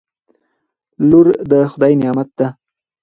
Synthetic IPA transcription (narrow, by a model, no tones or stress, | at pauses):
luɾd̪əxʊd̪ɑjinɪjɑmat̪̚d̪a